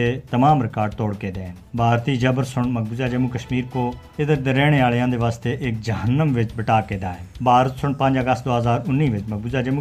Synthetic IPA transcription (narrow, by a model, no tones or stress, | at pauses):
eːt̪əmaːmɾɪkaːɾɖt̪ɔːɽkeːd̪eː | bʱaːɾt̪iːd͡ʒəbəɾsʊɳməɡ̚buzaːd͡ʒəmũːkəʃmiːɾkoː | ɪd̪əd̪ɾɛːɽ̃eːaːlejãːd̪eːʋaːst̪eːʔɪk̚d͡ʒəɦənːəmʋɪt͡ʃbəʈaːkeːd̪aːɦɛːbʱaːɾət̪sʊɳpə̃ɲd͡ʒəɡəst̪d̪oːɦəzaːɾʊnːiːʋɪt͡ʃməɡ̚buzaːd͡ʒəmũː